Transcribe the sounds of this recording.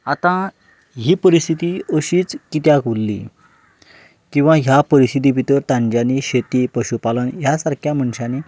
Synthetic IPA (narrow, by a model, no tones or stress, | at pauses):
at̪ã | ɦiːpəɾist̪ʰit̪iːəɕiːt͡skit̪jakulːḭː | kĩw̃ʋãɦjapəɾist̪ʰit̪̬iʋit̪əɾt̪ãɲd͡ʑaniɕet̪ipəɕupalənjasaɾkʰjam̤əɳɕane